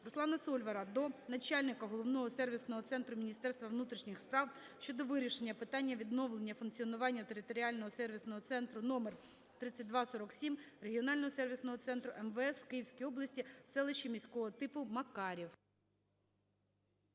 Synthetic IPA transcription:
rʊslˠɑnɐsɔlʲʋɐɾɐd̪ɔnɐt͡ʃɑlʲnɪkɐɦɔlˠɔʋnɔɦɔsɛrʋʲisnɔɦɔt̪sɛnt̪ɾʊmʲinʲist̪ɛrst̪ʋɐʋnut̪ɾʲiʃnʲɪxspɾɑw | ʃt͡ʃɔd̪ɔʋɪɾʲiʃenʲːɐpɪt̪ɑnʲːɐʋʲid̪nɔʋlˠe̞nʲːɐfʊnkt͡sʲiɔnʊʋɑnʲːɐt̪e̞ɾɪt̪ɔɾʲiɑlʲnɔɦɔsɛrʋʲisnɔɦɔt̪sɛnt̪ɾʊnɔmer | t̪ɾɪt͡sʲːɐtʲd̪ʋɑsɔɾɔksʲimreɦʲiɔnɑlʲnɔɦɔsɛrʋʲisnɔɦɔt̪sɛnt̪ɾʊʔɛmʋɛɛsw̥kɪjiwsʲkʲijɔblˠɐsʲtʲisɛlˠɪʃimʲijsʲkɔɦɔt̪ɪpʊmɐkɑɾʲiw

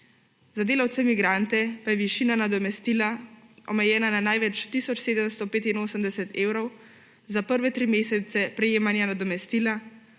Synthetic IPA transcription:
zad̪eːlawt̪sɛmiɡɾant̪ɛpajɛʋiʃiːnanad̪ɔmɛst̪iːlaɔmɛjɛːnananajʋɛt͡ʃt̪isɔt͡ʃseːd̪əmst̪ɔpeːt̪inoːsəmd̪ɛsɛt̪eːwɾɔw | zapəɾʋɛt̪ɾimeːsɛt̪sɛpɾɛjeːmanjanad̪ɔmɛst̪iːla

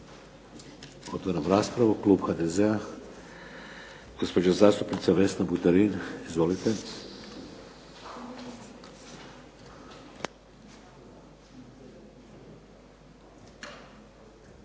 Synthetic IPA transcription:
ot̪ʋaɾamɾaːspɾaʋuklˠuːbxad̪ezea | ɡ̥ospod͡ʒazaːst̪upnit̪saʋe̞snabut̪aɾinizʋolit̪e

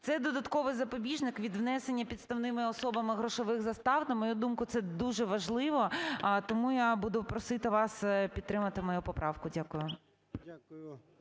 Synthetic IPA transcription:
t̪sɛd̪ɔd̪ɐt̪kɔʋɪjzɐpɔbʲiʒnɪkʋʲid̪ʋnɛse̞nʲːɐpʲid̪st̪ɐwnɪmɪɔsɔbɐmɪɦɾɔʃɔʋɪxzɐst̪ɑwnɐmɔjud̪umkʊt̪sɛd̪uʒɛʋɐʒlˠɪʋɔt̪ɔmujabud̪ʊpɾɔsɪt̪ɪʋɑspʲit̪ːɾɪmɐt̪ɪmɔjupɔpɾʔɑʋkʊdʲakʊjʊ

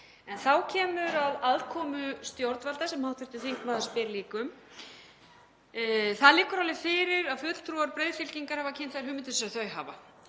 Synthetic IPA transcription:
ɛnθawcʰɛːmʏɾaðaðkʰɔːmʏst̪jowɾt̪nvalt̪asɛmhawht̪ʰvɪɾt̪ʏθiŋkmaːðspɪɾliːkʏm | θaðlɪːkʏɾawlɪfɪːɾɪɾaðfʏt̪l̥t̪ʰɾuaɾpɾeːjðfɪlciŋkaɾ̥havacʰɪnθajɾ̥ɦʏːmɪnt̪ɪsaθœːɥɦa̰ːva̰

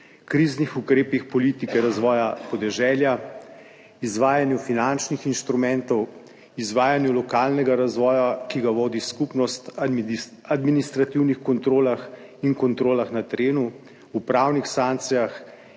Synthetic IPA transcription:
kɾiːznixukɾeːpixpɔliːt̪ikɛɾazʋɔːjapɔd̪ɛʒɛːlja | izʋaːjanjufinant͡ʃnixinʃt̪ɾumɛnt̪ɔw | izʋaːjanjulɔkaːlnɛɡaɾazʋɔːjakiɡaʋoːd̪iskupnɔst̪ | ad̪minist̪ɾat̪iwnixkɔnt̪ɾoːlax | iŋkɔnt̪ɾoːlaxnat̪ɛɾeːnuː | pɾawnixsanktsijax

